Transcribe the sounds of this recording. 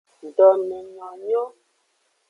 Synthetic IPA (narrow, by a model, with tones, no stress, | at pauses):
n˨dɔ˨nɛ˨ɲɔ̃˨ɲo˦